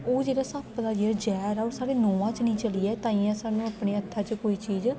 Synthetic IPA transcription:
oːd͡ʒeːɽaːsaːbpəd̪aːd͡ʒeːɾd͡ʒɛːɾɔːɾsaːɽeːnoːʋãːt͡ʃnĩːt͡ʃəliːɛːt̪ãːĩːãːsaːnũːapɳeːət̪ʰːaːt͡ʃkoːiːt͡ʃiːz

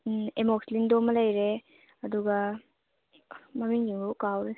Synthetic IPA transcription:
emɔkslindomɐlɐjɾe | ɐduɡa | mamiŋd͡ʒiŋbukawɾe

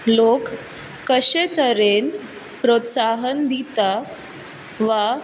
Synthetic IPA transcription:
lokː | əɕet̪əɾen | pɾot̪saɦənd̪ʱit̪a | ʋa

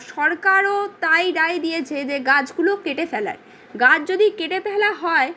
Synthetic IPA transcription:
ʃɔɾkaɾot̪ajɾajd̪ijet͡ɕʰed͡ʑeɡad͡ʑɡulokeʈefɛla̰ɾ | ɡad͡ʑd͡ʑod̪ikeʈepɛɦlaɦɔe

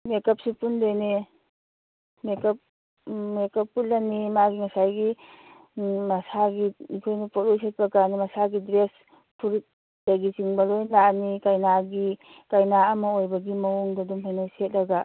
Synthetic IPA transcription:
mekap̚sipundejni | mekap̚ | mekapːulːanimaɡiŋasajɡi | masaɡiikʰojnipɔtojset̚bakanimasaɡidɾes | pʰuɾt̚ | d̥aɡisiŋbalojnlanikajnaɡi | kajnaamɔojbaɡimɐwuŋdadumpʰajnajset̚laɡa

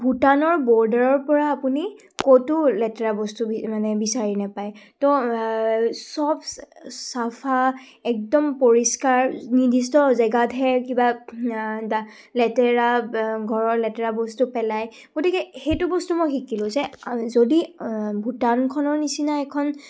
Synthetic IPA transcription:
bʱutanɔɹbɔɹdaɹɔɹpɔɹaːpuni | kotulɛtɛɹabɔstumanɛbisaɹinapajtɔ | sɔbsapʰa | ɛk̚dɔmpoɹiskaɹnidʱistɔzɛɡadʱɛkiba | da | lɛtɛɹaɡʱɔɹɔɹlɛtɛɹabɔstupɛlaj | ɡ̥otikɛxejtʊbɔstumɔjxikilʊ̃zɛzodibʱutankʰɔnɔɹnisinaɛkʰɔn

